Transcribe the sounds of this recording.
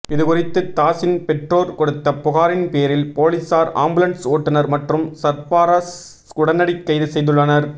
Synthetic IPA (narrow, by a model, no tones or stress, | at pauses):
ɪðɯkʊrɪt̪ːɯt̪aːsɪnpɛʈroːɾkɔɽɯt̪ːɐpːʊɣaːɾɪnpeːɾɪlpoːlɪsaːɾa̰ːmbʊlɐnsoːʈːɯnɐɾmɐʈrɯmsɐɾpaːɾas | ʊɽɐnːɐɽɪkːɐjðɯsɛjðɯɭːɐnɐɾ